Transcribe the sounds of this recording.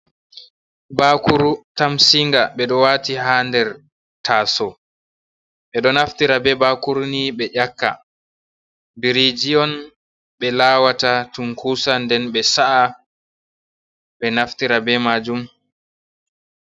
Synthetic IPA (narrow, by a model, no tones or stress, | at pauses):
bakuɾutamsiŋɡaɓɛɗɔwaːtihaːndɛɾ | tʰaːsɔ | ɓɛɗɔnaftiɾabɛbakuɾniɓɛʔakːa̰ | biɾid͡ʒiɔn | ɓɛlaːwatatuŋkusandɛnɓɛsaʔa | ɓɛnaftiɾabɛmad͡ʒum